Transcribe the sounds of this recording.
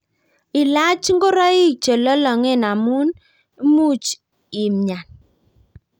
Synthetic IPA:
ɪ˨la˦t͡ʃŋɡo˦ɾɔ˦i˦t͡ʃə˨lɔ˦lɔ˨ŋɛ˦na˨mu˦n˦ | mu˦t͡ʃ | i˨mɲa˨n

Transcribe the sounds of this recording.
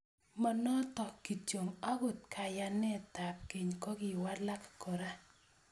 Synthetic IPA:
ma˦nɔ˦tɔ˨kːi˨t͡ʃo˨ŋa˦ɡo˨t̚kʰa˨ja˦nɛ˦˨ta˨p̚ke˨ɲkɔ˦ɡi˨wa˦la˦kko˨ɾa˦

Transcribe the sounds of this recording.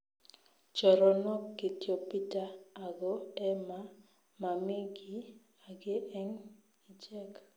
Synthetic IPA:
t͡ʃɔ˨ɾɔ˨nɔ˦kːe˨tjo˨pi˦ta˦a˨ɡɔ˦ɛ˦ma˦ | ma˨mi˦ɡi˦ | a˨ɡe˦ʔɛ˦ŋ | i˨d͡ʒɛ˦k

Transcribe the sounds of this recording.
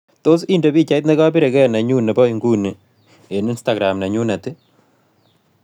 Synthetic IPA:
to˦s̬i˦ndo˨pi˦t͡ʃa˨i˦tne˦ka˦pi˦ɾe˨kɛ˦˨na˨ɲu˦nɛ˨bɔ˦i˨ŋɡu˦ne˨ | e˨ni˦nsta˨ɡɾa˨mna˨ɲu˦na˨tɪ˦

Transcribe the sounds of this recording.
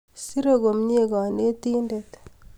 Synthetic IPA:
si˦ɾo˦ɡo˨mɲe˦ɡɔ˨ne˦ti˦nde˨t

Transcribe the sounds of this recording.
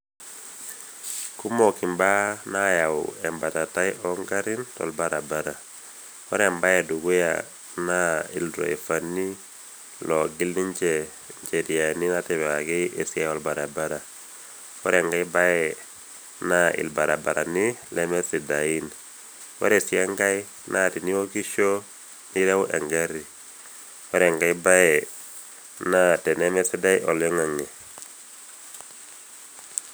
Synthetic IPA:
ku˦mɔ˨ki˨mba˦na˦ja˨ʊ̰ɛ˨mba˨ta˨ta˦jʔɔ˦ŋɡa˦ɾɪ˦ntɔ̰˨lba˨ɾa˨ba˦ɾa˨ | kɔ̰˦ɾɛ˨mba˦jɛ˨du˨ɡu˦ja̰ | na˦i˨ldɾɔ̰˨ɛ˨fa˨nːi˦ | lɔ˨ɡɪ˦li˦ɲt͡ʃɛ˨ | ɲt͡ʃe˨ɾi˨a˨ni˦na˦tɛ˨ba˨ɡɪ˦e˨si˦a˦ɔ˨lba˨ɾa˨ba˦ɾa˨ | wɔ̰˦ɾɛ˨ŋɡa˦i˦ba˦ɛ˨ | na˦ɪ̰˨lba˨ɾa˨ba˨ɾa˨nɪ˦lɛ˦mɛ˦si˨da˨i˦n | wɔ̰˦ɾe˨si˦a˦ŋɡa˦i˦ | na˦˨ti˨ni˦wo˦ki˦ʃo˦ | ni˦ɾɛ˦ʊ˦ʔɛ˨ŋɡɛ˦ɾi˨ | wɔ˦ɾɛ˨ŋɡa˦i˦ba˦ɛ˨ | na˦tɛ˨nɛ˦mɛ˦si˦da˦jʔɔ˨lɛ˦ŋa˨ŋe˨

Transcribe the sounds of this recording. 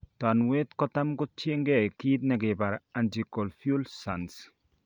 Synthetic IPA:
ta˨nwe˦tkɔ˦ta˦mkʊ˦t͡ʃe˦ŋɡɛ˦˨ki˦tna˨kɪ˨ba˨ɾa˨nd͡ʒi˨kɔ˨lfju˦lsa˨ns

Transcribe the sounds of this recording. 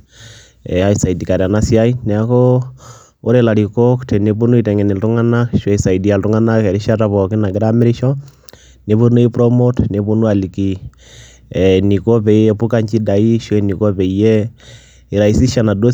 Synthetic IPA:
ɛhaisa˨i˨dika˨ɾa˨na˦sjaina˨kɔ | o˦ɾɛla˨ɾi˨kɔktɛneβu˦nu˦i˨tɛ˨ŋɡɛ˨ni˨ltu˦ŋanaʃwɛisa˨idi˨a˨ltuŋa˦nakɛɾi˦ʃataβɔ˨ki˦na˨ɡiɾamɛ˦ɾi˦ʃɔ | neβunu˦i˦pɾɔmotneβu˦nu˦a˨li˨ki˨ | ni˨kɔ˦βɛ˨iɛpu˦ka˦ɲd͡ʒi˦da˨i˦ʃwɛni˨kɔ˦βɛ˨i˨jɛ˦ | i˨ɾa˨isi˦ʃa˨na˨dɔ˦

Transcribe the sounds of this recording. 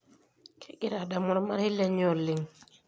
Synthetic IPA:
kʰe˦ɡi˦ɾa˨da˨mɔ˦ɾma˦ɾhi˦lːe˦ɲo˨lːi˨ŋ

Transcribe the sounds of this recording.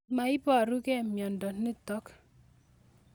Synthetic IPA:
ma˨ɪ˦pɔ˦a˨ɾu˦kɛ˦˨mjɔ˨ndɔ˨nɪ˦t̪ɔ˦k

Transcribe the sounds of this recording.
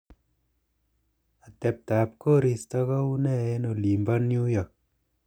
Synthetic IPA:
a˨tɛ˨p̚ta˨p̚ko˦ɾi˨stɔ˦kɔ˦u˦nɛ˦e˦no˨li˨mba˦nju˦jɔ˨k̚

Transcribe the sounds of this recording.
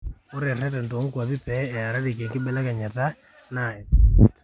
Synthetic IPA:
o˦ɾɛ˨rɛ˦tɛ˨ndo˨˦ŋkwa˨βi˦pɛː˨˦˨a˨ɾa˦di˨k̬e˨ŋki˦ɓɛ˦la˦ka˨ɲa˨ta˦ | na˨ɛ˨

